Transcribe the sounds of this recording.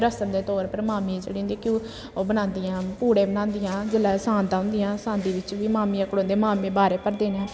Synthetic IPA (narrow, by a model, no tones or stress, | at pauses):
ɾəsəmd̪eːt̪ɔːɾpəɾmaːmĩt͡ʃəːɽiːʊ̃ːnd̪iːkjõː | oːbənãːnd̪ɪjãːpuːɽẽːbənãːnd̪ɪjãːd͡ʒɪlaːsãːnt̪aʊ̃nd̪ɪjãːsãːnd̪iːʋɪt͡ʃʋiːmaːmiːãːkəɽõːnd̪eːmaːmẽːbaːɾeːpəɾd̪eːnãː